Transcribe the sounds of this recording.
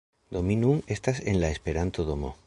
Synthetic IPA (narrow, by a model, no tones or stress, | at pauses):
d̪̥ominuŋest̪asenlaespeɾant̪oðomo̰